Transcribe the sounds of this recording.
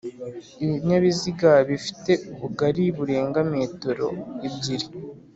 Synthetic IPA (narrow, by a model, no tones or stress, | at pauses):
iβiɲaβiziɡaβifi̥te̞uβuɡaɾiβuɾe̞ːŋɡameːtoɾo̞̰jibɟiɾi